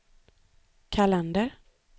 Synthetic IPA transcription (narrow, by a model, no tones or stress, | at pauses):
kʰalɛnd̪əɾ